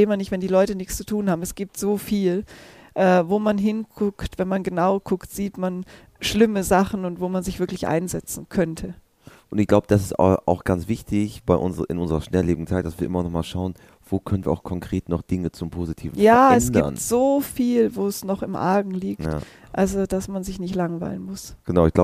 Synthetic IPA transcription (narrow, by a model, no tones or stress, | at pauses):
eːmanɪçtv̥ɛndiːlɔʏtənɪçst͡su̥tʰuːnhaːbm̩ɛsɡ̥iːp̚tz̥oːfiːl | ʔɛːvoːmanɦɪnɡʊktv̥ɛnmanɡənaʊkʰʊktz̥iːtman | ʃlɪməzaχn̩ʊntv̥oːmanzɪçv̥ɪɐklɪçʔa̰ɪnzɛt͡sn̩kʰœntʰə | ʔʊntɪçɡ̥laʊbəd̥asɪ̥sta̰ʔa̰ʊxɡ̥ant͡sv̥ɪçtɪçb̥aɪʔʊnzəɪ̰nʔʊnzəʁɐʃnɛlleːbɪɡŋ̩t͡saɪt̚d̥asviːɐɪmɐnɔχmaːlʃaʊən | v̥oːkʰœnənviːɐaʊkʰɔŋkʁ̥eːtnɔχd̥ɪŋət͡sʊmpʰoːzitʰiːvn̩jaːɛɛsɡ̥diɐ̰ntz̥oːfiːlvoːɛsnɔχɪmʔa̰ːɡŋ̩liːkt | ʔalzod̥asmanzɪçnɪçtlaŋvaɪlənmʊsɡ̥ənaʊɪçɡ̥laʊ